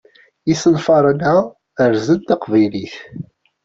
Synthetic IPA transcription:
isənfɑɾˤənæ | əɾzənt̪ɑqvæjliθ

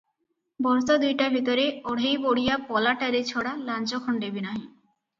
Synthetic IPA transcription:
bɔɾsad̪ujʈabʱit̪oɾeoɽ̤ʱejboɽijapɔlaʈaɾet͡ɕʰoɽalant͡ɕokʰɔɳɖebinaɦi

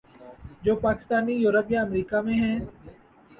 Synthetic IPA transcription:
d͡ʒoːpaːkɪst̪aːniːjuːɾəpjaːəmɾiːkaːmẽːɦɛ̃ː

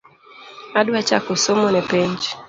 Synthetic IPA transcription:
aɗwat͡ʃakɔsɔmɔnɛpɛɲd͡ʒ

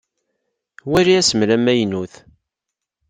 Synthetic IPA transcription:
wæɾiæsəmlæmæjnuθ

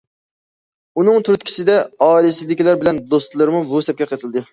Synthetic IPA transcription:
unɨŋt̪ʰyɾt̪kʲʰi̥t͡ʃɪd̪ɛɑːilɪsɪd̪ɪkʲilæɾbɪlɛnd̪ost̪lˠɨɾmubusɛp̚kʲɛqʰət̪ʰɨlˠd̪ɨ

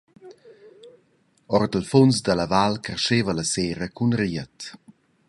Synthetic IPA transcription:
ɔrd̪əlfonsd̪əlavalkɾeʃeːvələseːɾəkunriət

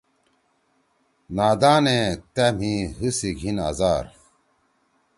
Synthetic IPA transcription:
naːd̪aːnẽt̪em̤ĩɦɨsiɡʱina̰zaːɾ

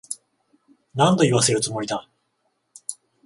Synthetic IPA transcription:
nãnt̪oiβas̬e̞ɾɯ̟t͡sɨmo̞id̪a

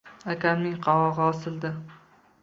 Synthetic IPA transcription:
akʲʰamnɪŋqʰɑwɒʁɑɒsɪld̪ɪ

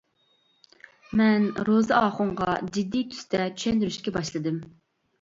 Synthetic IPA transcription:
mɛnɾozɨɑːχʊɴʁɑd͡ʒid̪ːit̪ʰy̥st̪ɛt͡ʃ̪ʰy̥ʃɛnd̪yɾyʃkʲɛbɑʃlˠɨd̪ɨm

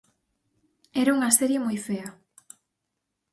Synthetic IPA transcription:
ɛɾauŋɐseɾjemojfeɐ

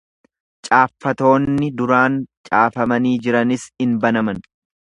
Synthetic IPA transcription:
t͡ʃʼaːfːɐt̪o̞ːnːɪd̪ʊɾaːnt͡ʃʼaːfɐmɐniːd͡ʒɪɾɐnɪsɪnbɐnɐmɐn

